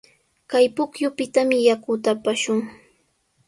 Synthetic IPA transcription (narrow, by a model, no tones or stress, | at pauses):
kajpʊkjʊpɪt̪amɪjakʊt̪apaʃʊŋ